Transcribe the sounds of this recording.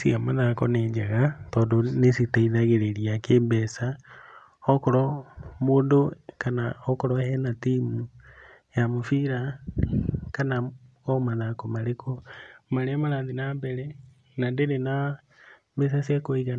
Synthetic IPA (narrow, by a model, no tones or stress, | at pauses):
siamaðakɔned͡ʒaɣatɔːndonesitaiðaɣeɾeɾiakeːmbɛsa | ɔkɔɾɔmoːndokanaɔkɔɾɔhɛnatimu | jamofiɾa | kana | ɔmaðakomaɾekomaɾeamaɾaːnðinambɛɾɛ | nandeɾena | mbɛs̬asjakoiɣa